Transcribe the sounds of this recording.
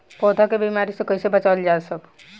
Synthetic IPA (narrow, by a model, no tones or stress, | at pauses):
pɔːd̪ʱakebimaɾisẽkəisebət͡ʃald͡ʒaːsəb